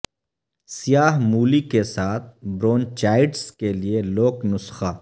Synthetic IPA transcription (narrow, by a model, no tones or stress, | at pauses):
sijaːɦmuːlikesaːt̪̚ʰbɾoːnt͡ʃaːɪɖskelieloːknʊsxaː